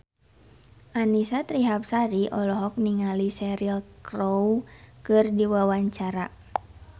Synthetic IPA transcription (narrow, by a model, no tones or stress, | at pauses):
ʔanisat̪ɾiɦap̚saɾiʔɔlɔɦɔk̚niŋalisɛɾilkrowkɨrdiwawaɲt͡ʃaɾa